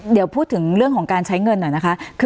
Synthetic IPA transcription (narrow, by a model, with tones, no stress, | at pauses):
di˨˩˦əwpʰuː˥˩t̪̚ʰːɯ˩˦ŋɾɯ˥˩əŋkʰɔː˩˦ŋkaː˧nt͡ɕʰa˦˥jŋɤ˧nːɔ˨˩jna˦˥kʰa˦˥kʰɯ˧